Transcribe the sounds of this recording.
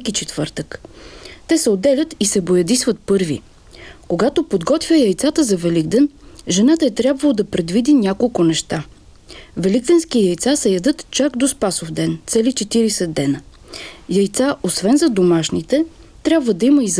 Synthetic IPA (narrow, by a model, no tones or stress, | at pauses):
kit͡ʃɛt̪vɤɾt̪əkt̪ɛsɛod̪ɛlʲət̪isɛbojɐd̪isvət̪̚pɤɾvḭ | koɡat̪opod̪ɡɔt̪vʲjəjɐjt̪sat̪əzɐvɛliɡd̪ɛnʒɛnat̪əɛt̪ɾʲabvəlˠod̪ɐpɾɛd̪vid̪inʲakolˠkʊnɛʃt̪a | vɛliɡ̚d̪ɛnskijɐjt̪sasɛjɐd̪ɤt̪t͡ʃakd̪ospasofd̪ɛnt̪sɛlit͡ʃɛt̪iɾisɛd̪ːɛnə | jɐjt̪saʔosvɛnzɐd̪omaʃnit̪ɛ | t̪ɾʲabvəd̪ɐiməiz